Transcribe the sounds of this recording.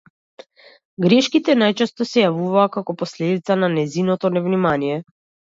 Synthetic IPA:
ɡɾɛʃkit̪ɛnajt͡ʃɛst̪ɔsɛjavuvaːkakɔpɔslɛd̪it̪sananɛzinɔt̪ɔnɛvnimanijɛ

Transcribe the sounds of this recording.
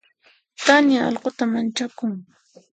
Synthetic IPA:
t̪anjaɑ̰lɢʊt̪amant͡ʃakʊŋ

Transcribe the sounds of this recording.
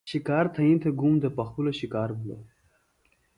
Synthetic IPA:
ɕikaːɾt̪ʰɐĩnt̪ʰeɡumd̪epɐxpulɐɕikaːɾbulɐ̰

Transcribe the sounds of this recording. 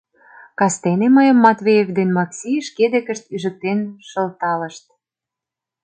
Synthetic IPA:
kɑst̪eneməjə̆mːɑt̪βʲejevd̪enmɑksʲiʃked̪ĕkə̆ʃt̪yʒə̆k̚t̪enʃɤ̆lt̪ɑlə̆ʃt̪̚

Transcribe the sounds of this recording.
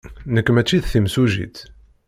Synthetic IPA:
nəkːmæt͡ʃːiðθimsuʒḭt̪

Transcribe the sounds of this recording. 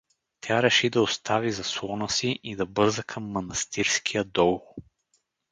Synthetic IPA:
t̪ʰʲaɾɛʃid̪ɐost̪ʰavizɐswˠɔnəsiʔid̪ɐbɤɾzəkʰɐmːɐnɐst̪iɾskʰijəd̪ɔlˠ

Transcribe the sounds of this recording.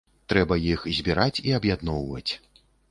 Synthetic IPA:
t̪ɾɛbɐjixzʲbʲiɾat͡sʲiabjad̪nɔwvɐ̰t͡sʲ

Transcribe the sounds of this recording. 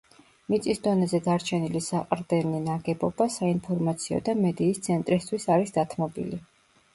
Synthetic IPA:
mit̪sʼisd̪ɔnɛzɛd̪aɾt͡ʃʰɛnilisaqʼɾd̪ɛninaɡɛbɔbasainpʰɔɾmat̪sʰiɔ̰d̪amɛd̪iːst̪sʰɛnt̪ʼɾist̪ʰwisaɾisd̪at̪ʰmɔbḭli

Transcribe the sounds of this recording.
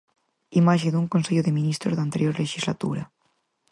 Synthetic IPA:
imaʃed̪uŋkonseʎoðeminist̪ɾo̰zðant̪eɾjoɾleʃizlat̪ṵɾɐ

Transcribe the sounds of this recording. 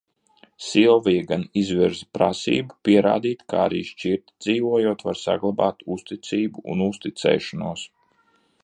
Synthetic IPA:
silvijɡanizviɾzpɾasḭːbupiɛɾa̰ːd̪iːt̪ka̰ːa̰ɾḭːʃt͡ʃiɾt̪d̪ziːvuɔjuɔt̪vaɾsa̰ɡlˠabaːt̪ust̪it̪siːbuṵnust̪it̪sɛ̰ːʃanuɔs

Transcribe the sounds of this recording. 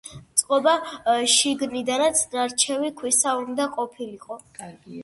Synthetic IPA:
t̪sʼqʼɔbaʃiɡnid̪anat̪sʰnaɾt͡ʃʰɛvikʰwisaund̪aqʼɔpʰiliqʼɔ

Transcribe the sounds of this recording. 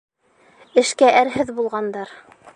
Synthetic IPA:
ɘ̆ʃkæʔæɾɦɘðbulˠʁɑnd̪ɑɾ

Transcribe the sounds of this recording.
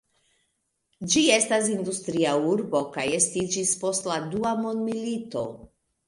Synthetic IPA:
d͡ʒie̞stas̬ind̪ust̪ɾiauɾbo̞kajestid͡ʒispo̞stladuamo̞ndmilito̞

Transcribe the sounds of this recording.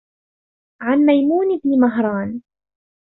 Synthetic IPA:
ʕanmajmuːnɪbnɪmaɦɾˤɑːn

